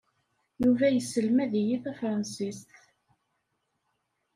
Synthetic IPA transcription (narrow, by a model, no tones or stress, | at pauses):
juvæjəsːəlmæðijiθæfɾˤɑnsist̪